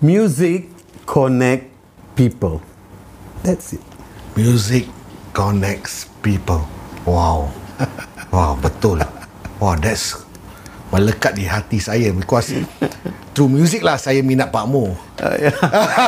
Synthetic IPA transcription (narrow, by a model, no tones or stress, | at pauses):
mjuzikʰː | ɔnɛk̚ | pipəl | dɛtsit̚mjuzikːɔnɛk̚spipəlwaw | wawbət̪ʊlwawdɛts | mələkat̪̚diɦat̪isajəbikɔs | t̪ɾumjuzik̚lahsajəmĩnaʔ̚paʔmo | o̰ja